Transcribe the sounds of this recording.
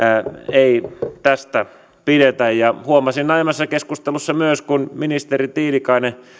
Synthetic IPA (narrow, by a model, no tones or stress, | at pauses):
eit̪æst̪æ | piɾet̪æjjɑhuomɑsinɑimɑsːɑkeskust̪elusːɑmyøskunminist̪erit̪iːlikɑine